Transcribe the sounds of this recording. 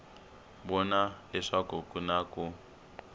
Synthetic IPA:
bɔnaɛʂakokʼunaku

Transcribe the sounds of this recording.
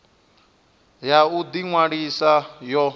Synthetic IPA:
jaud̪iŋwaɺisajɔ

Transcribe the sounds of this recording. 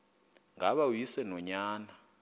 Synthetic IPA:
ŋaɓawjisɛnɔɲaːna

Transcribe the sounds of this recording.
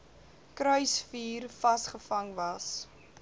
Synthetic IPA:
kɾœɥsfiːrfɐsχəfɐŋvɐs

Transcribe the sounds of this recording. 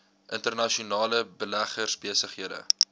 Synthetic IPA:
ʔəntərnɐʃiunɑːləbəlæχərsbiəsəχɦiədə̰

